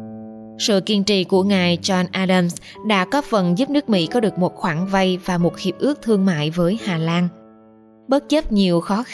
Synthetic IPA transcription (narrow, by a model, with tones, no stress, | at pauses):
sɨ̰˧˨ki˧ənt͡ɕḭ˧˨ku˧˩əŋaː˨˩jt͡ɕɔ˧nʔaː˧ɗə˧ms | ɗa̰ː˧˥kɔ˨˦fə˨˩nzu˦˥p̚nɨ˦˥k̚mḭ˧˥kɔ˨˦ɗɨ˨˩ək̚mo˨˩t̚xwaː˧˩ŋva˧jvaː˨˩mo˨˩t̚xi˨˩əp̚ʔɨ˦˥ək̚t̪ʰɨ˧əŋma̰ː˧˨jvəː˨˦jhaː˨˩laː˧n | ɓə˦˥t̚t͡ɕə˦˥p̚ɲi˨˩əwxɔ˨˦